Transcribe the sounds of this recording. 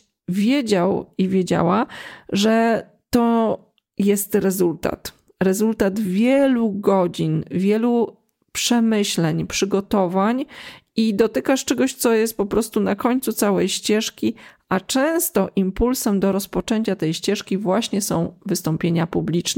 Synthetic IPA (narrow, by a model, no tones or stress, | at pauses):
vʲjed͡ʑawivʲjed͡ʑa̰waʐɛ | t̪ɔ | jɛst̪ɾɛzult̪a̰t̪ | ɾɛzult̪ad̪vʲjɛluɡɔd͡ʑinvʲjɛlu | pʂɛmɘɕlɛɲpʂɘɡɔt̪ɔvaɲid̪ɔt̪ɘkaʂt͡ʂɛɡɔɕt̪sɔjɛst̪̚pɔpɾɔst̪unakɔɲʲt̪sut̪sawɛjɕt͡ɕɛʂkʲi | at͡ʂɛ̃w̃st̪ɔʔimpulsɛmd̪ɔɾɔspɔt͡ʂɛɲt͡ɕat̪ɛjɕt͡ɕɛʂkʲivwaɕɲɛsɔ̃w̃vɘst̪ɔmpʲjeɲapublʲit͡ʂnɛ